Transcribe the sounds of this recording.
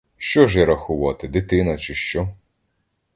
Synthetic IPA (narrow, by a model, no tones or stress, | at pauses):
ʃt͡ʃɔʒɛɾɐxʊʋɑt̪ɪd̪ɪt̪ɪnɐt͡ʃɪʃt͡ʃɔ